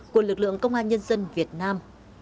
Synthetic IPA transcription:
ku˧˩əlɨ˨˩k̚lɨ̰˧˨əŋkə˧wŋ͡mʔaː˧nɲə˧nzə˧nvi˨˩ət̚naː˧m

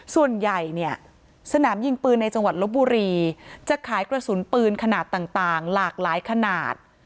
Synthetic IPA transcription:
su˨˩ənja˨˩jni˥˩ɐ | sa˧naː˩˦mji˧ŋpɯː˧nːa˧jt͡ɕa˧ŋwa˨˩t̪̚lo˦˥p̚buː˧ɾiː˧t͡ɕa˨˩kʰaː˩˦jkɾa˧su˩˦npɯː˧nkʰa˧naː˨˩t̪ːaː˨˩ŋt̪aː˨˩ŋlaː˨˩k̚laː˩˦jkʰa˧naː˨˩t̪̚

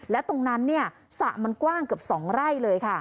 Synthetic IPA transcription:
lɛ˦˥wt̪o˧ŋna˦˥nːi˥˩ɐ | sa˨˩ʔma˧nkwaː˥˩ŋkɯ˨˩əp̚sɔː˩˦ŋɾa˥˩jlɤː˧jkʰa˥˩

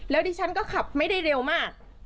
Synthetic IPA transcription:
lɛː˦˥wdiː˧t͡ɕʰa˦˥nkɔː˥˩kʰa˨˩p̚ma˥˩jda˥˩jɾe˧wmaː˥˩k̚

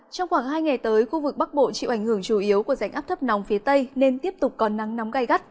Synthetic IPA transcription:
t͡ɕɔ˧wŋ͡mxwaː˧˩ŋɦaː˧jŋa˨˩jt̪əː˨˦jxu˧vɨ˨˩k̚ɓa˦˥k̚ɓo̰˧˨t͡ɕḭ˧˨wʔa˧˩jŋ̟hɨ˧˩əŋt͡ɕu˧˩ʔi˨˦əwku˧˩əza˧˩jŋʔaː˦˥t̪ʰə˦˥p̚na˨˦wŋ͡mfi˨˦t̪ə˧jne˧nt̪i˦˥əp̚t̪ʊ˨˩k͡p̚kɔ˨˦nːa˨˦ŋna˨˦wŋ͡mɣa˧˩jɣa˦˥t̚

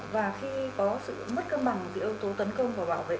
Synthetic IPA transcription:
vaː˨˩xi˧kɔ˨˦sɨ̰˧˨mə˦˥t̚kəː˧ɓa˨˩ŋzḭ˧˩˦ʔə˨˧wt̪o˨˦t̪ə˨˦nkə˧wŋ͡mvaː˨˩wɓaː˧˩wvḛ˧˨

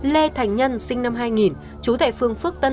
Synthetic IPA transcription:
le˧t̪ʰa˨˩jŋ̟ɲə˧nsï˧ŋ̟na˧mɦaː˧jŋi˨˩n | t͡ɕu˨˦t̪ʰa̰ː˧˨jfɨ˧əŋfɨ˦˥ək̚t̪ə˧n

